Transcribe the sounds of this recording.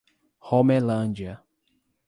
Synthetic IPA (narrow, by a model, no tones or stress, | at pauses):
homelɐ̃nd͡ʒiɐ